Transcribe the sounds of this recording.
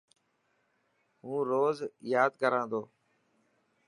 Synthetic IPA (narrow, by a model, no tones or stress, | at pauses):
ɦũːɾoːzjaːd̪kəɾãːnd̪oː